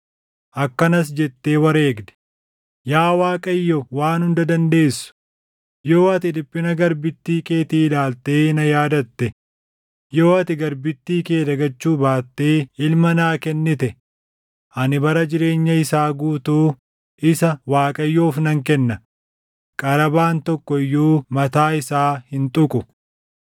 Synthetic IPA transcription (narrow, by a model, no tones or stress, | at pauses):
ʔɐkːɐnɐs̬d͡ʒɛt̪ːe̞ːwɐɾe̞ːɡd̪ɛ̥ | jaːwaːkʼɐjːɔwaːnhʊnd̪ɐd̪ɐnd̪e̞ːsʊ̥ | jo̞ːɐt̪ɪd̪ɪpːɪnɐɡɐɾbɪt̪ːiːke̞ːt̪iːɪlaːlt̪e̞ːnɐjaːd̪ɐt̪ːɛ | jo̞ːɐt̪ɪɡɐɾbɪt̪ːiːke̞ːd̪ɐɡɐt͡ʃːuːbaːt̪ːeːɪlmɐnaːkɛnːɪt̪ɛ | ʔɐnɪbɐɾɐd͡ʒɪɾe̞ːɲːɐɪsaːɡuːt̪uː | ʔɪsɐwaːkʼɐjːoːfnɐŋkɛnːɐ | kʼɐɾɐbaːnt̪ɔkːɔɪjːuːmɐt̪aːɪsaːhɪnt̪ʼʊkʼʊ